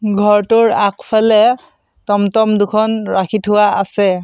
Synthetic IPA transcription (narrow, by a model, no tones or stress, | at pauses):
ɡʱɔɹtʊɹakʰpʰalɛ | tɔmtɔmdʊkʰɔnɹakʰitʰʊwaasɛ